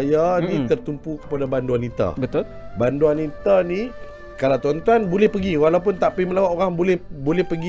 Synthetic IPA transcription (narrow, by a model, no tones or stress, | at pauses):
janĩt̪ərt̪umpukə̥padabanduanit̪a̰bət̪ʊ | banduanit̪ani | kalawt̪ɔnt̪uanbolɛhpəɡiwalawpʊnt̪aʔpiməlawaʔoɾaŋbolɛhbolɛhpəɡi